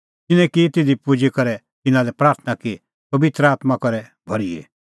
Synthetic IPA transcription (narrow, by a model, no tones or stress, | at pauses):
t̪ɪnɛ̃kit̪ɪd̪ʱipud͡ʒekɐɾɛ | t̪ɪnãlɛpɾaːɾt̪ʰnaki | pɐbɪt̪ɾəaːt̪makɐɾɛbʱɐɾiḛ